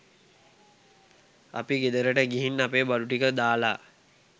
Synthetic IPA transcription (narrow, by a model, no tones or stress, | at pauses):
a̰piɡed̪əɾəʈəɡiɦinːapeːbaluʈikəd̪aːlaː